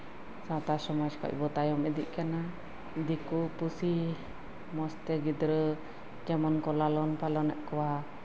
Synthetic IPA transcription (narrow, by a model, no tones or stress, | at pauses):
sawt̪asɔmɔd͡ʒkɔ̰c̚bɔt̪ajɔmɛd̪iʔ̚ˀkana | d̪ikupusi | mɔst̪ɛɡid̪ɾə | d͡ʒamɔnkɔlalɔnpalɔnɛʔkɔwa